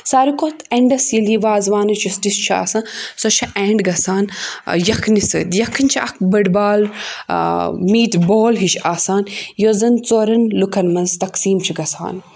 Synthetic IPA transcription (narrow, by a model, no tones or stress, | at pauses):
saːɾikot̪ʰeɳɖɐsjiliʋaːzʋaːnɐt͡ʃʰisʈist͡ʃʰa̰ːsɐ̃sot͡ʃʰɐʔeːɳɖɡɐsaːnjɐkʰnisɨ̰t̪jɐkʰɐnt͡ʃʰiɐ̰k̚ʰbɐɖbaːl | miːʈboːlɦiʃʰaːsaːnjozɐnt͡soɾɐnlukʰɐnmɐnzt̪ɐksiːmt͡ʃʰiɡɐsa̰ːn